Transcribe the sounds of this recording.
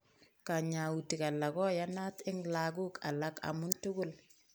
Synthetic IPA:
ka˨ɲa˨u˨ti˨ka˨la˨kɔ˦ja˦na˦tɪ˦ŋla˨ɡu˦ka̰˨la˦ka̰˨mu˦ntu˦ɡʊ˦l

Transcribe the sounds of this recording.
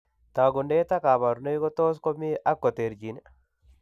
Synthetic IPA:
t̪a˨ɡʊ˨nde˦t̪a˦ka˨ma˨ɾne˦kɔ˦t̪o˦s̬kɔ˦mi˦ʔa˦kːɔ˨t̪e˨ɾd͡ʒi˨n

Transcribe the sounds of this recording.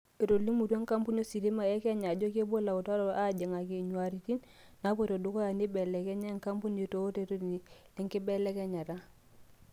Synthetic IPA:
e˨ɾo˨lːi˦mu˨ɾe˦ŋ˦ka˦mpu˦no˦si˨ɾi˦ma˨e˦ke˦ɲa˨ɟo˦ke˦bo˦la˨u˨ta˦ɾo˨a˦˨d͡ʒe˨ŋa˨ki˨ɲu˨a˨ɾi˨ti˦n | na˨˦bo˦˨to˨du˨˦ko˦a˨ni˦be˨le˨ke˦ɲa˦ŋka˦mpu˦ne˨to˦te˨ɾo˦ni˨le˦ŋki˦be˦le˦ke˦ɲa˨ta˦

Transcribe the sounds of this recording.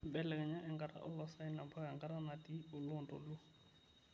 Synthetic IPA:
bɛ˦lɛ˨kɛ˨ɲa˦ʔɛ˦ŋɡʼa˨ɾa̰˦ʔʊ˦lɔsa˦i˦na˨mba˦kɛ˨ŋɡa˦ɾa˦na˨tʼi˦ʊ˨lʊ˨ntʼɔ̰˨lu˦

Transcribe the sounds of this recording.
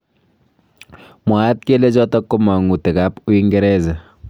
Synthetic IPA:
mwa˨˦t̚ke˦le˦t͡ʃɔ˦tɔ˦ko˦ma˨ŋu˨tɛ˨ka˦pu˦i˦ŋɡɛ˦ɾɛ˦za˨

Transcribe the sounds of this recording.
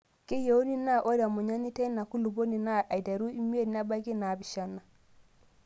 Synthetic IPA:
ke˦jo˨u˦ni˦na˦ʔo˦da˨mu˨ɲa˦ni˦te˦na˨ku˦lu˨bo˦ni˨na˦ʔa˨jda˨ɾu˦i˦mi˦e˦dna˦ba˦ki˦na˨bi˨ʃa˦nːa˨

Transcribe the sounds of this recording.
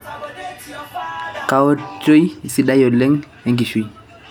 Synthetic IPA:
ka˨wɔ˦t͡ʃo˦jsi˦ɗa˦jɔ˨lɛ˦ŋ | ɛ˨ŋɡi˨ʃu˦j

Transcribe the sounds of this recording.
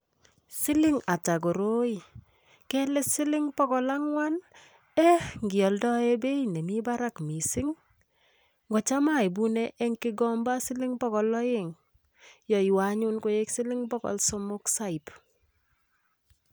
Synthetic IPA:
sɪ˦lɪ˦ŋa˨t͡ʃa˨ɡ̬o˨ɾo˦i˨ | kɛ˦lɛ˦sɪ˦lɪ˦ŋpɔ˦kɔ˦la˦ŋwa˦n | ɛ˦ŋɡi˨ɔ˨ldɔ˦e˦be˦inɛ˨mi˦ba˦ɾa˦kmi˨sɪ˦ŋ | ŋɡɔ˨t͡ʃa˦ma˦i˨bu˦nɛ˦ʔɛ˦ŋkɪ˦ɡɔ˦mba˦sɪ˦lɪ˦ŋpɔ˦kɔ˨lɔ˦je˦˨ŋ | jɔ˨i˨waɲu˦nko˦je˦ksɪ˦lɪ˦ŋbɔ˦kɔ̰˨lsɔ˦mʊ˦ksa˦i˨p

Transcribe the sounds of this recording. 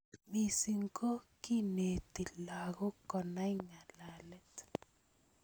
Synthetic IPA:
mi˨si˨ŋko˦ki˦ne˨ti˨la˨ɣɔ˦kɔ˨na˦i˦ŋa˨la˨lɛ˦t

